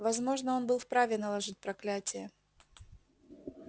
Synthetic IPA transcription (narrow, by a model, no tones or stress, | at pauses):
vɐzmo̞ʐnəo̞nbɨlˠfpɾavʲɪnəlˠɐʐɨt̚ʲpɾɐklʲætʲɪjə